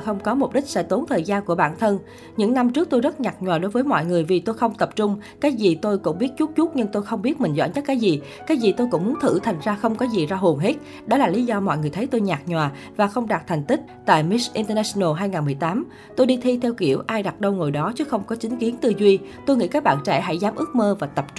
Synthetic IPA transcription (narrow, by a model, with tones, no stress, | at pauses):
xə˧wŋ͡mkɔ˨˦mo˨˩p̚ɗï˦˥k̟̚sɛ̰˧˥t̪o˨˦nt̪ʰəː˨˩jzaː˧nku˧˩əɓa̰ː˧˩˨nt̪ʰə˧n | ɲɨ̰˧˥ŋna˧mt͡ɕɨ˦˥ək̚t̪o˧jzə˦˥t̚ɲaː˨˩k̚ɲwaː˨˩ɗo˨˦jvəː˨˦jmɔ̰˧˨jŋɨ˨˩əjvi˨˩t̪o˧jxə˧wŋ͡mt̪ə˨˩p̚t͡ɕʊ˧ŋ͡mkaː˨˦jzi˨˩t̪o˧jkʊ̰˧˥ŋ͡mɓi˦˥ət̚t͡ɕu˦˥t̚t͡ɕu˦˥t̚ɲɨ˧ŋt̪o˧jxə˧wŋ͡mɓi˦˥ət̚mï˨˩ŋ̟zɔ̰˧˩nɲə˦˥t̚kːaː˨˦jzi˨˩ | kaː˨˦jzi˨˩t̪o˧jkʊ̰˧˥ŋ͡mmu˨˦ənt̪ʰɨ̰˧˩t̪ʰa˨˩jŋ̟zaː˧xə˧wŋ͡mkɔ˨˦zi˨˩zaː˧ɦo˨˩nɦe˦˥t̚ | ɗɔ˨˦laː˨˩li˨˦zɔ˧mɔ̰˧˨jŋɨ˨˩əjt̪ʰə˨˦jt̪o˧jɲaː˨˩k̚ɲwaː˨˩ | vaː˨˩xə˧wŋ͡mɗaː˨˩t̪ʰɛ˨˩ŋ̟t̪ï˦˥k̚t̪a̰ː˧˨jmi˦˥sʔi˧nt̪ə˧naː˧snə˧˩ɦaː˧jŋaː˨˩nmɨ˨˩əjt̪aː˨˦m | t̪o˧jɗi˧t̪ʰi˧t̪ʰɛ˧wkḭ˧˩əwʔaː˧jɗa˨˩t̚ɗə˧wŋo˨˩jɗɔ˨˦t͡ɕɨ˨˦xə˧wŋ͡mkɔ˨˦t͡ɕï˨˦ŋ̟ki˨˦ənt̪ɨ˧zwi˧t̪o˧jŋḭ˧˥kaː˦˥k̚ɓa̰ː˧˨nt͡ɕɛ̰˧˩ɦa̰˧˥jzaː˨˦mʔɨ˦˥ək̚məː˧vaː˨˩t̪ə˨˩p̚t͡ɕʊ˧